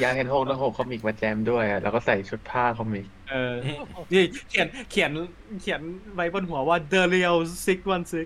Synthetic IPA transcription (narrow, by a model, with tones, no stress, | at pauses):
jaː˧˥he˧nɦoː˥˩k̚laː˧˥˩hoː˨˩kʰɔ˧miː˨˩k̚ma˧t͡ɕɛː˧˥mdu˥˩əjʔa˨˩lɛː˦˥wkɔː˥˩sa˨˩jt͡ɕʰu˦˥t̪̚pʰaː˥˩kʰɔ˧miː˨˩k̚ʔɤː˧t̪ʰiː˧˩kʰi˨˩˦nkʰi˨˩˦n | kʰi˨˩˦nwa˦˥jbo˧nɦu˨˩˦ɐwaː˥˩dɤː˧li˧əwsi˦˥k̚wa˧nsɯ˦˥k̚